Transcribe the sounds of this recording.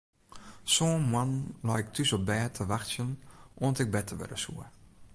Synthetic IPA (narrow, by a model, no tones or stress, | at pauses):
soːmwanlajk̚tʰysɔbɛːtʰəʋaxsjənʔoːntɪk̚bɛtʰəʋɪ̰dəsṵə